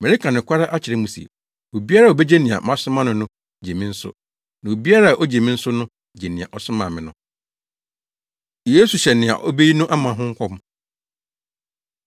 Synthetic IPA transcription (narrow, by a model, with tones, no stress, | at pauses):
mɛ˨i˦kʰã˨nɪ̃˨kʷʰa˦ɾa˦ʔa˦t͡ɕʰɪ˨ɾɛ˦mũ˨sḭ˨ | o˨bi˦a˦ɾa˦˨o˨be˦d͡ʑe˦nĩ˨a̰˨mã˦sʊ̃˦mã˦nʊ̃˨nʊ̃˦ | d͡ʑe˨mĩ˦n̩˦sʊ̰˦ | nã˨o˨bi˦a˦ɾa˦a˨ʔo˦d͡ʑe˨mĩ˦n̩˦sʊ˦nʊ̃˦ | d͡ʑe˨nĩ˨a̰˨ʔɔ˨sʊ˦mã̰˨mɪ̃˨nʊ̃˦ | je˦su˨ɕɛ˨nɪ̃˨a̰˨ʔɔ˦be˦ji˦nʊ̃˦ʔa˦mã˨ɦʊ̃˦ŋ̩˦kʷʰɔ˦mʊ̃˨